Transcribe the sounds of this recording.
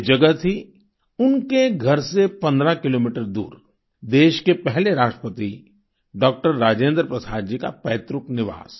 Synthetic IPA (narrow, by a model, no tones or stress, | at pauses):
d͡ʒɐɡət̪ɦi | ʊnkeɡʱɐɾsepɐ̃nd̪ɾakɪloːmiʈəɾd̪ṵːɾ | d̪eːʃkepɛɦleɾaːʃʈɾə̥pət̪i | ɖɔːk̚ʈəɾːaːd͡ʒẽːnd̪ɾpɾɐsaːɾd͡ʒika̰pɛːt̪ɾʊknɪʋa̰ːs